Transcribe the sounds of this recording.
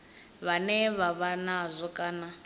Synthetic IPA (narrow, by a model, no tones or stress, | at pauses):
βanɛβaβanazʷɔkʼana